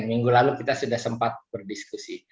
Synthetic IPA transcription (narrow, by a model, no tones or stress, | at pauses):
nmiŋɡulalukit̪asudahsəmpat̪̚bərdiskusi